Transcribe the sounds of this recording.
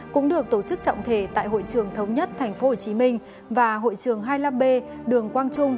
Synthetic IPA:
kʊ̰˧˥ŋ͡mɗɨ˨˩ək̚t̪o˧˩t͡ɕɨ˦˥k̚t͡ɕɔ̰˧˨wŋ͡mt̪ʰe˧˩t̪a̰ː˧˨jɦo̰˧˨jt͡ɕɨ˨˩əŋt̪ʰə˨˦wŋ͡mɲə˦˥t̚t̪ʰɛ˨˩ŋ̟fo˨˦ho˧˨˩t͡ɕi˨˦mï˧ŋ̟ | vaː˨˩ɦo̰˧˨jt͡ɕɨ˨˩əŋɦaː˧jlaː˧mɓe˧ | ɗɨ˨˩əŋkwaː˧nt͡ɕʊ˧ŋ͡m

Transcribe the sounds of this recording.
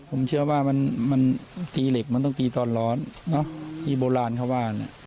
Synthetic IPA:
pʰo˩˦mt͡ɕʰɯ˥˩ɐwaː˥˩ma˧nma˧nt̪iː˧le˨˩k̚ma˧nt̪̬ɔ˥˩ŋt̪iː˧t̪ɔː˧nlɔː˧˥nːɔ˦˥t̪ʰiː˥˩boː˧laː˧nkʰa˧˥˩waː˧˩˧na̰˧˩

